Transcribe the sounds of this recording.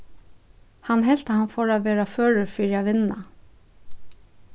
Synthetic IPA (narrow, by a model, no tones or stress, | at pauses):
hanɦɛl̥t̪ahanfoːɾaʋeːɾaføːɻʏfiːɾaʋɪna